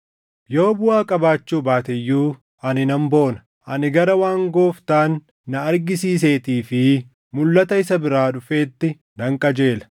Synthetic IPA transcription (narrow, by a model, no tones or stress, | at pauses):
jo̞ːbʊaːkʼɐbaːt͡ʃːuːbaːt̪ɛjːuː | ɐnɪnɐmbo̞ːnɐ̥ | ʔɐnɪɡɐɾɐwaːŋɡoːft̪aːnː | ɐɐɾɡɪsiːs̬eːt̪iːfɪ | mʊlːɐt̪ɐɪsɐbɪɾaːᶑʊfe̞ːt̪ːɪ | nɐŋkʼɐd͡ʒe̞ːlɐ̥